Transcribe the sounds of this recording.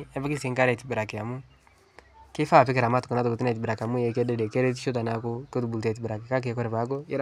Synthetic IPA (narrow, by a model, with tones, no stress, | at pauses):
ɛ˦ve˦ki˦si˨˦ŋka˦ɾɛ˨ti˨be˨ɾa˨ke˨ja˨mu˦ | ke˦fa˦˨pe˦keɾa˨ma˦tu̥˨ko˨na˨to˨bo˨ti˦nɛ˨t̬i˨be˨ɾa˨ka˨mu˦je˨kɛ˦de˦de˨ke˦ɾe˦t̬i˦ʃo˦t̬a˨na˨ko˦ko˦tu˨bu˨ltɛ˨t̬i˨be˨ɾa˨ki˨ka˦k̬e˨ko˦ɾe˨βa˨˦k̬o˦e˦ɾ